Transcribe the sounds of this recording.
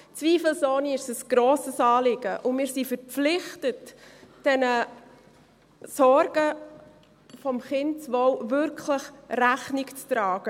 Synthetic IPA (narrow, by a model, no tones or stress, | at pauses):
t͡sviːfəl̩soːniɪʃəsɡ̥ɾoːsəsɑːlɪɡ̥əʔʊmɪːɾsifəɾpp͡flɪχtətd̥ɛnə | sɔɾɡ̥ə | fɔmχɪntt͡sʋɔwvʏɾkʰləχræχnikt͡stɾɑːɡ̥ə